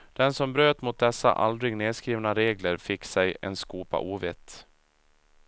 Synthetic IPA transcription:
d̪̥ɛnsɔmbɾøːt̪mʊt̪̚d̪ɛsːa̰ʔald̪ɾɪɡneːd̪skɾiːvnaɾeːɡləɾfɪkːsɛjɛ̰nskuːpa̰ʔuːvɪt̪ː

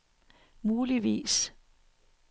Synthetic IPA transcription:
muːliʋḭːs

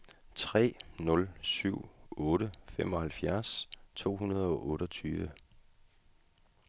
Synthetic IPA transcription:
t͡sʰʁɛ̰ːnɔ̽lsyʊ̰ɔːɾəfem̰ɒ̽hælfjæɐst͡sʰo̝̰ːɦunɐð̞ˠɒ̽ʔɔ̽ːɾɒt͡sʰyːʋə

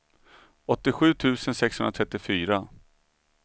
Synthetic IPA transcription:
ɔt̪ːɪɧʉ̟ːt̪ʰʉ̟ːsənsɛkshɵnɾat̪ʰɾɛt̪ːɪfyːɾa

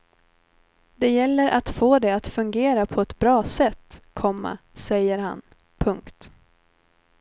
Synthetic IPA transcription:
d̪ɛjɛlːəɾʔat̪foːd̪ɛat̪fɵŋɡeːɾapʰɔɛt̪bɾɑːsɛt̪ːkʰɔmːa̰ | sɛjːəɾɦa̰n | pʰɵŋkt̪

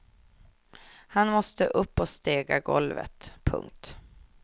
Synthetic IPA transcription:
hanmɔst̪əʔɵpːɔst̪eːɡaɡɔ̰lvə̰t̪pʰɵ̰ŋk̚t̪

